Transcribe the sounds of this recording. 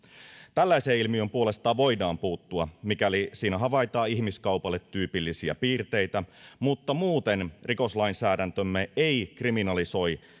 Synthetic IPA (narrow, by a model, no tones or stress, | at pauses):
t̪ælːæiseːilmiømpuo̞le̞st̪ɑːʋo̞jdɑːmpuːt̪ːuɑmikælisiːnæɦɑʋɑjt̪ɑːihmiskɑupɑlːet̪ːyːpilːisiæ̰piːrt̪e̞it̪æmut̪ːɑmuːt̪enriko̞slɑinsæːdænt̪ømːeeikriminɑliso̞j